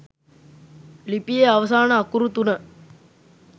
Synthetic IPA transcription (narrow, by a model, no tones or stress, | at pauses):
lipijeɐʋɐsaːnəːkːuɾut̪unə